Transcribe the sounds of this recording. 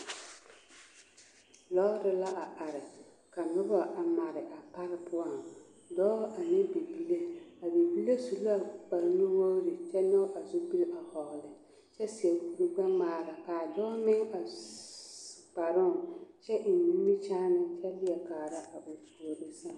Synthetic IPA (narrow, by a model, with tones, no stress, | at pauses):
lɔː˦ɾɪ˨la˦ʔa˨ʔa˨ɾɪ˨ | ka˨nʊ˦ba˨ʔa˨ma˨ɾɪ˨ʔa˨pa˦ɾɪ˦pʰʊ˦a˨ŋ | dɔː˦ʔa˨nɪ˦be˨bi˦le˦a˨be˨bi˦le˦su˨la˦˨k͡pa˨ɾnʊ˦wo˦ɾɪ˨t͡ʃɛ˦nɔ˦ʔa˨zʊ˦bi˦la˨hɔ˨ɣlɪ˨ | t͡ʃɛ˦si˨ɛ˨ku˦ɡ͡ba˦maː˨ɾa˨kaː˨dɔː˦mɪ˦ŋa˨ | k͡pa˨ɾʊ˦˨t͡ʃɛ˦ʔɪ˨n˨ni˦mi˦t͡ʃaː˦nɪ˦t͡ʃɛ˦lɪ˦ɛ˨kaː˨ɾa˦ʔa˨bʊ˨fu˨o˨ɾɪ˦sa˦